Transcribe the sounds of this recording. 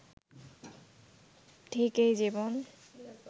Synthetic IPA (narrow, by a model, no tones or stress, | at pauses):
ʈʰikejzibɔn